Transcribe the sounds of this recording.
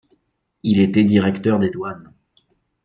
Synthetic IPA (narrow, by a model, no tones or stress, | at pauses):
ilet̪ɛd̪iʁɛkt̪œʁd̪ed̪wan